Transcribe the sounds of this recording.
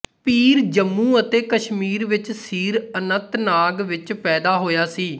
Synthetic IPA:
piːɾd͡ʒəmːũːət̪eːkəʃmiːɾʋɪt͡ʃsiːɾənət̪naːɡʋɪt͡ʃpɛːd̪aːɦoːjaːsiː

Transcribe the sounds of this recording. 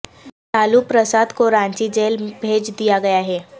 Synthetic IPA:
t̪aːlupɾəsaːd̪koɾãːɲt͡ʃid͡ʒeːlbʱeːd͡ʒd̪ijaɡɐjaɦɛː

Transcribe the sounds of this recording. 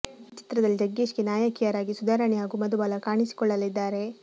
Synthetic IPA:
t͡ʃi̥t̪ɾɐd̪ɐlːid͡ʒɐɡːiːʃkenaːjɐkijɐɾaːɡisud̪ʱaːɾɐɳiɦaːɡuːmɐd̪ubaːlɐkaːɳisi̥kɔɭːɐlid̪ːaːɾe̞

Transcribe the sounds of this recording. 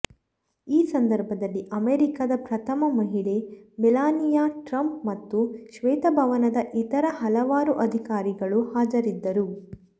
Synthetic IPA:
iːsɐnd̪ɐɾbʱɐd̪ɐlːiʔɐmeːɾikaːd̪ɐpɾɐt̪ʰɐmɐmɐɦiɭemilaːnijaːʈɾɐmpmɐt̪ːuʃʋɛːt̪ɐbʱɐʋɐnɐd̪ɐʔit̪ɐɾɐɦɐlɐʋaːɾuʔɐd̪ʱikaːɾiɡɐɭuhaːd͡ʒɐɾid̪ːɐɾu

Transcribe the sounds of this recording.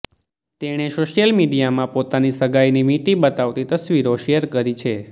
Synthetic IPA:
t̪eɽ̃esoʃjəlmiɖijamãpot̪anisəɡajnimiʈibət̪aʋt̪it̪əsʋiɾoʃeəɾkəɾit͡ʃʰe

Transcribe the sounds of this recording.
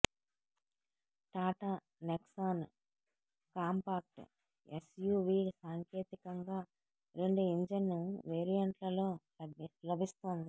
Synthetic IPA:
ʈaːʈa | neksaːn | kaːmpaːk̚ʈ | esjuːʋiːsaːŋke̞ːt̪ikɐŋɡaː | ɾe̞ɳɖuiɲd͡ʒɐnːuʋeːɾijɐɳʈlɐlo̞ː | ɐlɐbist̪oːnd̪i

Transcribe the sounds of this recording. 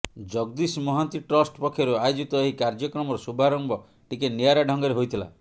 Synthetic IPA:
d͡ʒɔɡ̚d̪ismɔɦant̪iʈɾɔsʈpɔkʰːjɔɾuajod͡ʒit̪ɔeɦikaɾd͡ʒɔkɾɔmɔɾɔsubʱaɾɔmbɔ | ʈikeniaɾaɖʱɔŋɡɔɾeɦojt̪ʰila̰

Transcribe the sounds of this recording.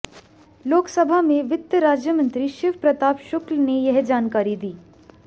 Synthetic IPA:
loːksɐbʱamẽʋɪt̪jəɾaːd͡ʒjəmə̃nt̪ɾiʃɪːʋpɾɐt̪aːpʃʊklnejɐɦd͡ʒaːnkaːɾid̪iː

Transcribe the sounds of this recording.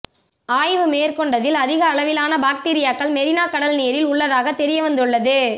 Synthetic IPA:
aːjʋɯmeːɾkɔɳɖɐðɪlɐðɪɣɐːɭɐʋɪlaːnɐbaːk̚ʈiːɾɪjaːkːɐɭmɛɾɪnaːkɐɽɐlnijɐɾɪlʊɭːɐðaːɣɐt̪ːɛɾɪjɐʋɐnd̪ɯɭːɐðɯ

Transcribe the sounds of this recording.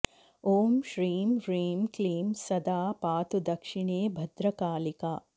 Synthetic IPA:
oːmʃɾiːmɾiːmkliːmsɐd̪aːpaːt̪ud̪ɐkʂiɳeːbʱɐd̪ɾɐkaːlikaː

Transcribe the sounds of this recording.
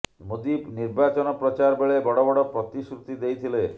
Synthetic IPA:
mod̪ibniɾbat͡ʃɔnɔpɾɔt͡ʃaɾbeɭebɔɽɔbɔɽɔpɾɔt̪isɾut̪id̪ejt̪ʰile

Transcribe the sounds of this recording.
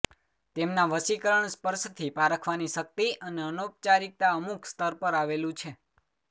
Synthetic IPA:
t̪emnaʋəsikəɾəɳspəɾʃt̪ʰipaɾəkʰʋaniʃək̚t̪iʔəneənop̚t͡ʃaɾik̚t̪aəmukʰst̪əɾpəɾaʋelũt͡ʃʰe

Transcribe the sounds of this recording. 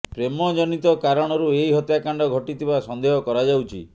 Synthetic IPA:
pɾemɔd͡ʒɔnit̪ɔkaɾɔɽ̃ɔɾueiɦɔt̪jakaɳɖɔɡʱɔʈit̪ʰibasɔnd̪eɦɔkɔɾad͡ʒawt͡ʃʰḭ

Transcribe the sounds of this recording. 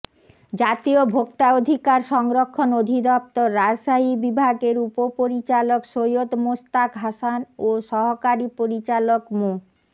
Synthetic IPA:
d͡ʑat̪iobʱokt̪aod̪ʱikaɾʃɔŋɾokʰːonod̪ʱid̪ɔp̚t̪oɾːaʃaɦibibʱaɡeɾupopoɾit͡ɕalokʃojot̪most̪akɦaʃanoʃɔɦokaɾipoɾit͡ɕalokmo

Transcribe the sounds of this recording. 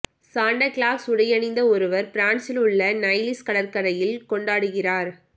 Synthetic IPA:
saːɳɖɐkɭaːsʊɽɐjɐnɪnd̪ɐɔɾɯʋɐɾpɪɾaːɳsɪlʊɭːɐnɐɪlɪskɐɭɐɾkɐɾɐjɪlkɔɳɖaːɽɯɣɪraːɾ

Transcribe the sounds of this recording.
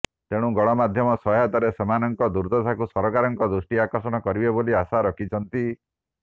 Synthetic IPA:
t̪eɽ̃ũɡɔɽ̃ɔmad̪ʱjɔmɔsɔɦjɔt̪aɾesemanɔŋkɔd̪uɾd̪ɔsakusɔɾɔkaɾɔŋkɔd̪ɾusʈiakɔɾsɔɽ̃ɔkɔɾibeboliasaɾɔkʰit͡ʃʰɔnt̪i

